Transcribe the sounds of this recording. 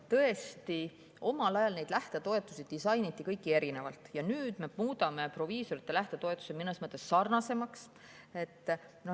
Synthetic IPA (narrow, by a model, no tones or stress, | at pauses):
t̪ɤ̞e̞st̪i | o̞mɑlɑjɑlne̞jd̪læht̪e̞t̪o̞e̞t̪ːˑusid̪̥̚isɑjnit̪ːikɤjkːˑie̞ɾine̞vɑ̰lt̪ˑjɑnyːd̪̥me̞muːd̪̥ɑme̞pro̞viːso̞ɾit̪ˑːe̞læht̪e̞t̪o̞e̞t̪ːˑu̥seminesmɤt̪ːˑe̞sːɑrnɑse̞mɑks | e̞t̪ːˑno